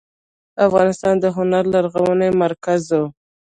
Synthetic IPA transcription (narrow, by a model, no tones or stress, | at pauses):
afɣɑnɪst̪ɑnd̪əɦʊnaɾlaɾɣawənemaɾkazo